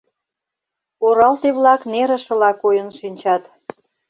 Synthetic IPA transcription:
oɾɑlt̪eβlɑkneɾə̆ʃə̆lɑkojə̆nʃinʲt͡ɕɑt̪

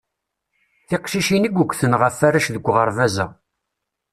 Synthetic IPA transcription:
θɪqʃiʃinəɡʷukʷːθənʁəfaɾæʃðəɡʷːʁəɾvæzæ̰

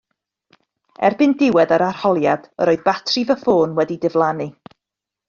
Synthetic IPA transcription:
ɛ̰rbɨndɪwɛdaɾarhɔlˠjad̥ə̰ɾoːɨðbatʰrɨvəfoːnwɛdidɪvlˠanɨ

